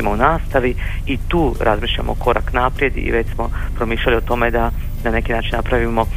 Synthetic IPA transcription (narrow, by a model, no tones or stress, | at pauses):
imounaːst̪aʋiit̪uːɾʔazmiːʃʎa̰moko̞ɾa̰knaːpɾje̞d̪ḭʋet͡ɕsmo̞pɾomiːʃʎaliot̪o̞me̞d̪a | nane̞kinaːt͡ʃinnapɾaʋimo̞